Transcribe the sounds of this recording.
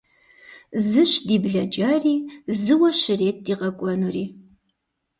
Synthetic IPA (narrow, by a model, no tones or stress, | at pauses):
zɨʃdiːbɮɐd͡ʒaːriːzɨwɐʃɪreːt̚diːʁɐkʷʼɔnuriː